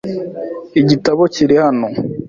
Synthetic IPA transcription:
iɟitaβociɾihano

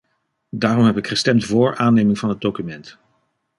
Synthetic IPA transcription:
daːrɔmɦɛpɪkχəstɛmtvʊːɹʔaːnejmɪŋvɑnɦəd̚dowkymɛnt

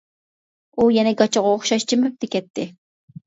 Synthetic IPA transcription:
ujɛnɛɡɑt͡ʃoʁɑoχʃɑʃt͡ʃɪmɪp̚t̪ɪkʲɛt̪ːɪ

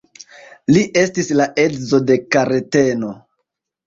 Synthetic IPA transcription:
liʔe̞stislaʔe̞tzo̞de̞kaɾete̞no̞

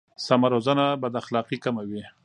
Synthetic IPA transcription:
samaɾozanabad̪axlɑqikamawi

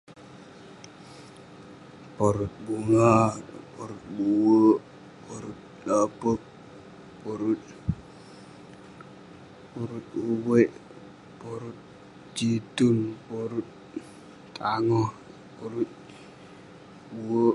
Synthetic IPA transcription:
poɾut̪̚buŋapoɾut̪̚buwo | poɾut̪̚ɗapək̚ | poɾut̪̚ | poɾut̪̚uweʔ | poɾut̪̚ | d͡ʒitunpoɾut̪̚ | taŋɔ | poɾut̪̚ | buwo

